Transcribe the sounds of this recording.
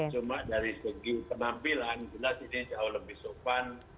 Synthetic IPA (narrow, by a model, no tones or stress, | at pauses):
t͡ʃumaʔdaɾisəɡipənampiland͡ʒilasinid͡ʒaʊhləbɪhsopan